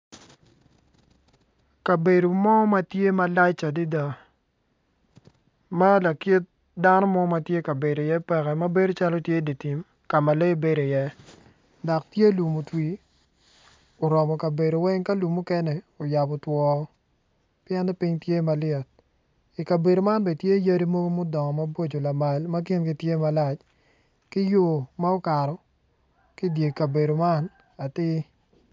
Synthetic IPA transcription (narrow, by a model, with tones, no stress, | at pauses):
ka˨be˨do˨mɔ˦ma˦tje˦ma˦la˦t͡ʃa˨di˦da˨ | ma˦la˨ki˦t̚ | da˦nɔ˦mɔ˦ma˨tje˦ka˨be˨do˨jɛ˦pɛ˨kɛ˨ma˦be˦do˦t͡ʃa˦lɔ˦tje˦di˨ti˨m | ka˨ma˨le˦be˨do˨jɛ˦ | dɔ˨k̚tje˦lu˨mu˨twi˨ | o˨ɾɔ˨mɔ˨ka˨be˨ɾo˨wɛ˦ŋka˦lu˨mu˦kɛ˦nɛ˨ | o˨ja˨bɔ˨twɔ˨˦ | pɪjɛ˦nɛ˦pi˦ɲtje˦ma˨lɪɛ˨t̚ | i˨ka˨be˨do˨ma˦nbɛ˨tje˦ja˦ɾi˦mo˦ɡo˦mo˦dɔ˨ŋɔ˨ma˦bo˦d͡ʒo˨la˨ma˨lma˦ki˦nɡi˨tje˦ma˨la˨t͡ʃ | kɪ˦jo˦ma˦o˦ka˨ɾɔ˨ | ki˦dje˨ka˨be˨do˨ma˦n | a˨tɪ˦